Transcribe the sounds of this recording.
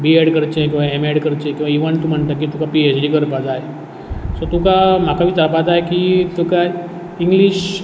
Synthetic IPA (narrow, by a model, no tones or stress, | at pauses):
biɛɽkəɾt͡ʃẽkĩw̃ʋaemɛɽkəɾt͡ʃẽkĩʋaiʋənt̪ũm̤əɳt̪ak̬it̪ukapiesɖikəɾpat̪aɦe | sot̪ukam̤akabʱiːt̪apad͡z̪aekit̪uka | iŋɡliɕ